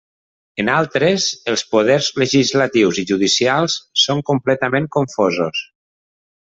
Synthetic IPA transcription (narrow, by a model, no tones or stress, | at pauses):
ənalˠt̪ɾeəzəlˠspuðɛɾzləʒizlət̪iwziʒuðisialˠssoŋkumplɛt̪əmeŋkoɱfozos